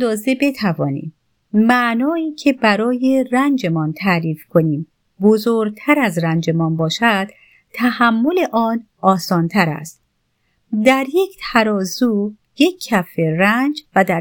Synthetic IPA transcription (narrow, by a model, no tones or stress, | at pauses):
d̪ɒːze̞be̞t̪ʰævɒːnḭm | mæʔnɒːiːcʰe̞bæɾɒːje̞rænd͡ʒe̞mɒːnt̪ʰæɾiːfkʰoniːm | bozoɾ̚t̪ʰæɾæzɾænd͡ʒe̞mɒːnbɒːʃæd̪̥ | t̪ʰæhæmːo̞leʔɒːnʔɒːsɒːnt̪ʰæɾæ̰st̪̚ | d̪æɾje̞cʰt̪ʰæɾɒːzuː | jekʰːæferænd͡ʒvæd̪æ